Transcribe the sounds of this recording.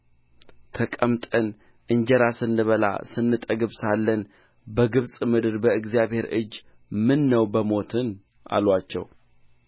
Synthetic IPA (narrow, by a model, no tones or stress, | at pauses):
t̪ʰəkʼəmt̪ʼən | ʔɨɲd͡ʒəɾasɨnːɨβəla̰sɨnːɨt̪ʼəɡɨβsalːən | bəɡɨβsʼmɨd̪ɨɾbəɨɡzijaβhe̞ɾɨ̰d͡ʒː | mɨnːəwbəmo̞t̪ʰɨn | ʔa̰lwat͡ʃːɛ̰w